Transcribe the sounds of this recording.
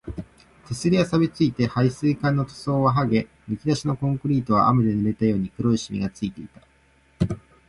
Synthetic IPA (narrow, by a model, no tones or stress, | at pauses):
t̪ʰe̞sɨɾʲiasabʲit͡sɨit̪e̞haisɨːkãnːo̞t̪o̥so̞ːβaɦaɡe̞ | mɯ̟kʲid̪aɕino̞kõ̞ŋkɯ̟ɾʲiːt̪o̞βa̰ʔamɯ̟d̪e̞nɯ̟ɾe̞t̪ajo̞ːɲ̟ikɯ̟ɾo̞iɕimʲḭɡat͡sɨit̪e̞it̪ḁ